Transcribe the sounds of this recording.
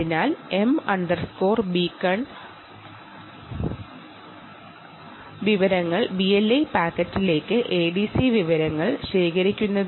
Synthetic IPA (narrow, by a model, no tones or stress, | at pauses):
inaːle̞mɐɳɖɐrsko̞ːrbikːɐɳ | ʋiʋɐɾɐŋːɐɭbielːɐjpaːkːɐtːile̞ːkːɨʔeːɖisiʋiʋɐɾɐŋːɐɭɕe̞ːkɐɾikʲːunːɐðɨ